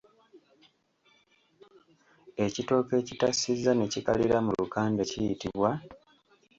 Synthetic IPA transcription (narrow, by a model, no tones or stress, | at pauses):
e̞cito̞ːke̞citasizːanecika̰liɾamulukaːnde̞cijitiβwa